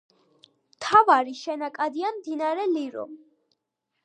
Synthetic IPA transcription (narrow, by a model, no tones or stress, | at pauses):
mt̪ʰavaɾiʃɛnakʼad̪iamd̪inaɾɛliɾɔ̰